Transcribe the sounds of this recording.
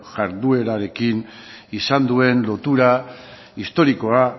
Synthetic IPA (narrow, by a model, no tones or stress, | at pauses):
ʝaɾðue̞ɾaɾe̞kin | isand̪ue̞nlo̞t̪uɾa | ist̪o̞ɾiko̞a